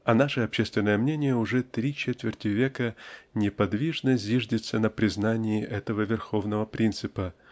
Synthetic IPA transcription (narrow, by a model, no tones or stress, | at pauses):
ɐnaʂɨɐpɕːest̪vʲɪnːəjəmnʲenʲɪjəʊʐɛt̪ɾʲit͡ɕet̪vʲɪrtʲɪvʲekənʲɪpɐd̪vʲiʐnəzʲiʐdʲɪt̪sənəpɾʲɪznanʲɪɪʔɛt̪əvəvʲɪrxo̞vnəvəpɾʲint̪sɨpə